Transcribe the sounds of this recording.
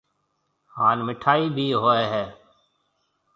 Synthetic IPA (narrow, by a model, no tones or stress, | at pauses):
haːnmɪʈʰaːiːbʱiːɦoːeːɦɛː